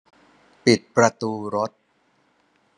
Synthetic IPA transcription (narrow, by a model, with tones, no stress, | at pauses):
pi˨˩t̪̚pɾa˧t̪uː˧ɾo˦˥t̪̚